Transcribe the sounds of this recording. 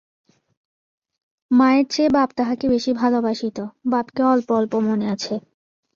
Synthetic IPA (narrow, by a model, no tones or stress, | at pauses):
maeɾt͡ɕebabt̪aɦakebeʃibʱalobaʃit̪obabkeɔlpɔlpomoneat͡ɕʰe